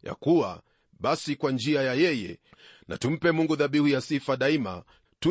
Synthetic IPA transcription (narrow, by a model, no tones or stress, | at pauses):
ja̰kuwa̰ | ɓasikwand͡ʒiajajɛjɛ | na̰tum̩pɛmuŋɡuðaɓihujasifaɗaima̰ | tu